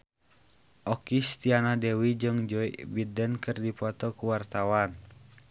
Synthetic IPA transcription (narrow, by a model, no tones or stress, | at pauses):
ʔɔkist̪ianadɛwid͡ʒɨŋd͡ʒɔḭbidənkɨrdipɔt̪ɔkuwart̪awan